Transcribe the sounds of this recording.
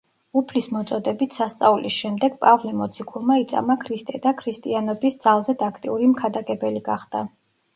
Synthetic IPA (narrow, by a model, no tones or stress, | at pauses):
upʰlismɔt̪sʼɔd̪ɛbit̪ʰsast̪sʼaulisʃɛmd̪ɛɡ̥̚pʼavlɛmɔt̪sʰikʰulˠmait̪sʼa̰makʰɾist̪ʼɛd̪akʰɾist̪ʼianɔbisd̪z̥alˠzɛd̪akʰt̪ʼḭuɾimkʰad̪aɡʼɛbɛliɡaχd̪a